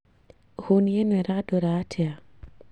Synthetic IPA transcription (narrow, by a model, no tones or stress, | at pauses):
honjenɛɾadoɾatʰɛa